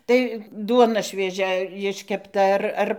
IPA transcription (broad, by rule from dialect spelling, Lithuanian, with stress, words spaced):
tɐɪ ˈduɔnɐ ʃʲʋʲiɛˈʒʲɛ jɪʃʲkʲɛpˈtɐ ˈɐr ˈɐr